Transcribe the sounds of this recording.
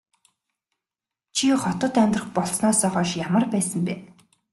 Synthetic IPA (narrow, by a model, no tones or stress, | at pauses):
t͡ɕʰiχɔt̪ɞ̆t̪æmʲt̪rə̆χpɔɮsnɔːsœːχɔːʃjamə̆rpæːsə̆mpeː